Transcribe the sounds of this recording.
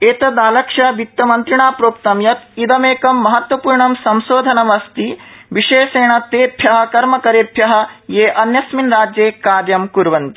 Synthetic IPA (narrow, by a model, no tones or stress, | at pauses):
eːt̪ɐd̪aːlɐkʂɐbʱik̚t̪ːɐmɐnt̪ɾiɳaːpɾoːk̚t̪ɐmjɐt̪id̪ɐmeːkɐmːɐɦɐt̪ʋɐpuːɾɳɐmsɐmsoːd̪ʱɐnɐmɐst̪iːʋiʂeːseːɳ̃ɐt̪eːt̪ʰjɐɦɐ̆kɐɾmɐkɐɾeːt̪ʰjɐɦɐ̆jeːʔɐnjɐsminɾaːd͡ʒjeːkaːɾjɐmkuɾʋɐnt̪i